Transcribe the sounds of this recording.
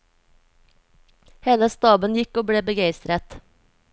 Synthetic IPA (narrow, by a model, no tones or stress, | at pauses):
heːləst̪ɑːbənjɪkoːbɽeːbəɡeɪst̪ɾət̪